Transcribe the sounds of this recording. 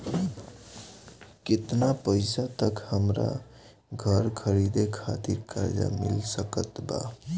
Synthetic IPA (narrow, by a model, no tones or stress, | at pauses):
kɪt̪napəɪsat̪əkhəmɾa̰ | ɡʱəɾkʰəɾid̪ekʰat̪iɾkaɾd͡ʒa̰mḭlsəkət̪ba̰